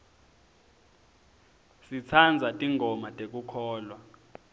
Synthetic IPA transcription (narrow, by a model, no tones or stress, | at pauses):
sit͡sʰand͡zʱatʼiŋʱɔmatʼek̬ʼukʰɔːlwa